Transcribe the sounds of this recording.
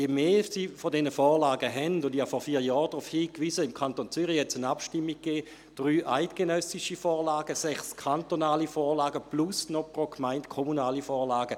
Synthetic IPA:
jemeːsifɔdɛnəfɔːʁlaːɡəɦɛndʊndiafɔɐfiːɐjɔːʁd̥ʁufhiːkʋizəɪmkʰantont͡syʁihɛt͡sənapʃtɪmːiɡ̚ɡ̥eː | d̥ʁyːʔaɪtɡ̥enœsiʃifɔːɐlaːɡəsɛχskʰantonaːlifɔːɐlaːɡəplusnopʁokmaɪntkʰɔmunaːlifɔːʁlaːɡə

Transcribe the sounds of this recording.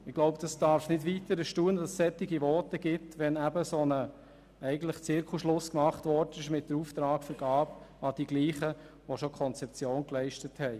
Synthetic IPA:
ɪɡ̥loʊbd̥ɑsd̥ɑɾfnɪdviːtəɾəʃtuːnədɑssɛtːɪɡiʋɔːtəɡɪtʋɛnæbəsonə | ɛɪɡən̩tləχt͡sɪɾkʰuʃlʊskmɑχtʋɔɾdənɪʃmɪt̚d̥əɾuft̪ɾɑːkfəɾɡ̥ɑːpɑd̥iɡliːχə | ʋoʃokʰɔnt͡sɛp̚t͡sjoːnklɛɪʃtəthɛɪ

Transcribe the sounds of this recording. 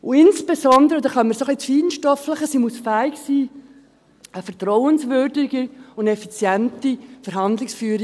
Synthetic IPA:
ʊɪnsb̥esɔnd̪əɾəd̪ɑχɑnmːəsoχlit͡sfiːdən̩ʃtɔfləχəsimusfæːɪksiː | əfərtrɔʊənsvʏɾdɪɡəʊnɛfit͡sjɛntifəɾɦɑnd̪lɪksfyːɾɪ

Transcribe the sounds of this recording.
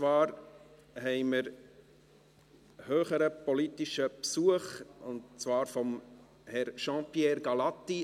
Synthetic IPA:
t͡svɑːɾ | hɛɪməɾ | høːχəɾəpɔlitiʃəpsuəχʊntt͡svɑːɾfɔm | hɛɾʃɑ̃piɛːɾɡɑlɑt̪ːi

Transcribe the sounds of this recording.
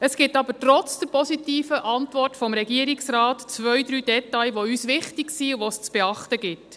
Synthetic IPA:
əsɡ̥ɪtɑbəɾtɾɔt͡sd̥ɛɾpɔsitiːfəʔɑntvʋɔrtfɔmɾɛɡiəɾiksraːtt͡sʋœjd̪ɾyːd̥ɛtɑjʋoyːsʋɪχtɪɡsiʋost͡sb̥eɑχtəɡɪt

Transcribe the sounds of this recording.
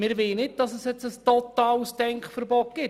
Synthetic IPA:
mɪɾʋeːnɪd̥ɑsəsjɛt͡səstɔt̪ɑːlsd̥ɛŋkχfəɾbɔt̚ɡ̥ɪt

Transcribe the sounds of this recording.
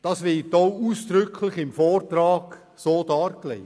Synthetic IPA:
d̥ɑsʋɪtoʊuːsd̥ɾʏkʰlɪχɪmfɔːrtɾɑːɡ̥ | soːdɑːɾklɛɪ

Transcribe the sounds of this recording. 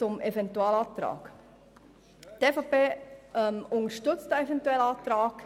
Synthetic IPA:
t͡sʊmʔɛvɛntuɑːlɑːt̪ɾɑ̰ːk | tefɔpeːɛmʊŋəʃtʏt͡stəɛvɛntuɛlɑːtɾɑːk

